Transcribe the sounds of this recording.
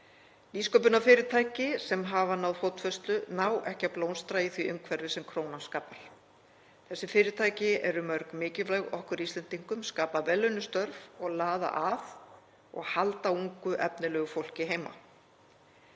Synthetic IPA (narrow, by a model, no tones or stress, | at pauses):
liːskowp̬ʏnafɪːɾɪt̪ʰaːjcɪsɛmɦavanawðfowt̪fœst̪lʏnawʔɛhcaploːwnst̪ɾaiθviʔʏmkʰvɛɾðɪsɛmkʰɾoːwnanskaːpaɾ̥ | θɛsːɪfɪːɾɪt̪ʰajcɪɛɾʏmœɾkmɪːcɪlvlɛɣɔ̰hkʏɾist̪lɛnt̪iŋkʏmskaːpavɛlːœɥnːʏst̪œɾvɔɣlaːða̰ʔað | ɔ̰ɣhalt̪auŋkʏʔɛpnɪlɛːɣʏfowl̥cɪɦeːjma̰